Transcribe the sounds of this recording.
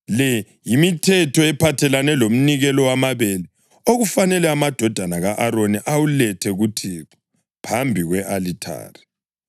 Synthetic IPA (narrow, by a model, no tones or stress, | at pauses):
lɛ | jimitʰɛtʰɔɛpʰatʰɛlanɛlom̩niɣɛlɔwamaβelɛ | oɣufanɛlɛamad̥ʱɔd̥ʱanaɣaʔaɾoniʔawulɛtʰɛɣutʰiːǁɔ̥ | pʰambʱiɣwɛʔalitʰa̰ːri